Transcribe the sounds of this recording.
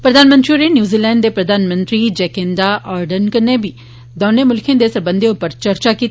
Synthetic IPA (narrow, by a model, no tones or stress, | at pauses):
pɾəd̪aːnmə̃nt̪ɾiɾenjuːziːlɛ̃ːɳɖd̪eːpɾəd̪aːnmə̃nt̪ɾiːd͡ʒɛːkẽnd̪aːʔaːɾɖənkənːeːbiː | d̪oːneːmʊlkʰjẽːd̪eːsəɾbə̃nd̪ʱeʊpːəɾt͡ʃəɾt͡ʃaːkiːt̪ː